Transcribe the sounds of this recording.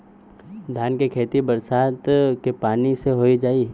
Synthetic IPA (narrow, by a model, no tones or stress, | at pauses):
d̪ʱjaːnkekʰeːt̪ibɐɾsaːt̪kepaːniseɦoːid͡ʒaːi